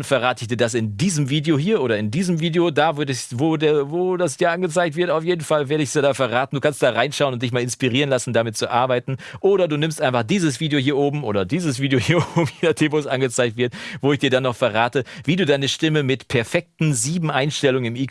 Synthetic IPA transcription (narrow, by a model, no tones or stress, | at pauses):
nfɛɐʁaːtɪçd̥iːɐdas̬ɪndiːzəmviːdeohiːɐʔoːɾɐɪndiːzəmviːdeodaːvɪɐɛvoːdeɐvoːdasd̥iːɐʔanɡət͡saɪktv̥ɪɐtaʊfjeːdn̩falveːɐɾəɪç̥jaːdaːfɛɐʁaːtn̩duːkʰanstd̥aːʁaɪnʃaʊənʊnt̚d̥ɪçmaːlɪnspiʁiːʁənlasn̩damɪt̚t͡suʔa̰ɐbaɪtn̩ʔoːɾɐduːnɪmstʔaɪnfaχd̥iːzəsv̥iːdeohiːɐʔoːbm̩ʔo̰ːdɐdiːzəsv̥iːdejohiːɐobm̩jeːnaχd̥eːvoːsʔanɡət͡saɪk̚tv̥ɪɐtvoːɪçd̥iːɐdanːɔχfɛɐʁaːtəviːduːdaɪnəʃtɪməmɪtpʰɛɐfɛk̚tn̩ziːbm̩ʔaɪnʃtɛlʊŋənɪmiː